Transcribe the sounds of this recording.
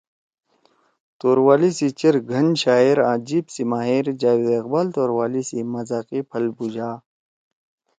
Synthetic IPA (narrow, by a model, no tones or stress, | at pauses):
t̪oːɾwaːlisit͡ɕɐɾɡʱɐnɕaːiɾãːd͡ʑiːbsimaːɦiːɾd͡ʑaːwed̪ɐqbaːlt̪oːɾwaːlisimɐzaːqipʰɐlbud͡ʑaː